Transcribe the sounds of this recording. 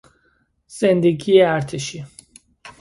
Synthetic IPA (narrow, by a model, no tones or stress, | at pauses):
z̥ɛnd̪eɡiɛaɾt̪ʰiʃi